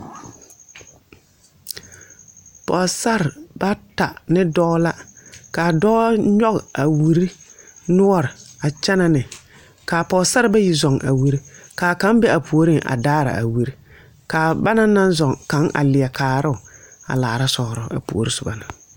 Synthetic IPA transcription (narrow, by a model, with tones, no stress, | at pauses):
pɔ˨sa˦ɾba˦ta˨nɪ˦dɔː˦la˦kaː˨dɔː˦ɲɔ˦ɣa˨wi˨ɾi˦nʊ˦ɔ˦ɾɪ˨a˨t͡ʃɛ˦na˦nɪ˨ | kaː˨pɔː˨sa˦ɾɪ˦ba˦ji˨zɔ˨ŋʔa̰˨wi˦ɾi˦kaː˨kã˦mbɛ˦a˨pʰu˨o˨ɾi˦ŋʔa̰˨daː˦ɾa̰˨ʔa̰˨wi˦ɾi˦ | kaː˨ba˦na˦nã˦nzɔ˨ŋka˨˦ŋʔa̰˨lɪ˨ɛ˨kaː˨ɾʊ˦ʊ˨a̰˨laː˨ɾa˦sɔ˨ɾʊ˨a̰˨pu˨o̰˨ɾi˦sʊ˨ba˨na˨